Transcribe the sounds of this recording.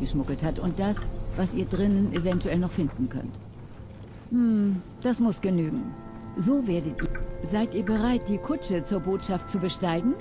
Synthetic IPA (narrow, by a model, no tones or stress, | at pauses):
ɡ̥əʃmʊɡl̩thatʊnt̚d̥asvasʔiːɐdʁɪnənʔevɛntuɛlnɔχfɪndn̩kʰœ̰nt | m̩ | d̥asmʊsɡ̥ənyːɡŋ̩ | zoːveːɐdətʔiːzaɪtʔiːɐbəʁaɪt̚d̥iːkʰʊt͡ʃət͡suːɐboːtʃaft̚t͡subəʃtaɪɡŋ̩